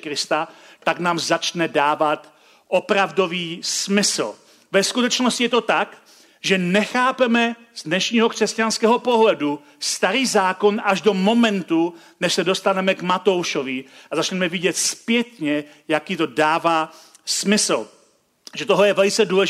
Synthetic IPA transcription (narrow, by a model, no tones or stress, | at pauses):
kɾɪst̪at̪aɡnaːmzat͡ʃnɛdaːvat̪ | ʔopɾavdo̞viːsmɪsl̩ | vɛskut̪ɛt͡ʃnoscɪjɛt̪o̞t̪ak | ʒɛnɛxaːpɛmɛ | zdnɛʃɲiːɦokr̝̥ɛscanskɛːɦopoɦlɛdu | st̪aɾiːzaːko̞naʒdo̞mo̞mɛnt̪u | nɛʃsɛdo̞st̪anɛmɛɡmat̪o̞wʃovɪazat͡ʃnɛmɛvɪɟɛt̪spjɛt̪ɲɛ | jakiːt̪o̞daːvaː | smɪsl̩ | ʒɛt̪oɦojɛvɛlɪt͡sɛduːlɛʒ